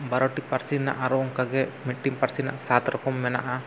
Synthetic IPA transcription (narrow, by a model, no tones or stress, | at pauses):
bɐɾɔʈik̚paɾsinːa̰ʔaɾɔŋkaɡɛmiʈːiŋpaɾsina̰ʔsat̪ɾɔkɔmːɛna̰ʔa